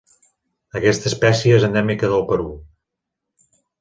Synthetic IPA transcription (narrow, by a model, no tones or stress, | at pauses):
əkɛst̪əspɛsiəezənd̪ɛmikəðəlˠpəɾu